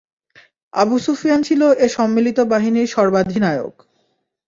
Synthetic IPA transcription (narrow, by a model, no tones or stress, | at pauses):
a̰busufijant͡ɕʰiloʔeʃɔmːilit̪obaɦiniɾʃɔɾbad̪ʱinaeo̰k